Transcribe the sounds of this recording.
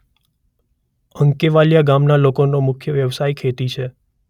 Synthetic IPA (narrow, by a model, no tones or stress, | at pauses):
əŋkeʋaljaɡamnalokonomʊkʰjəʋjəʋsajkʰet̪it͡ʃʰe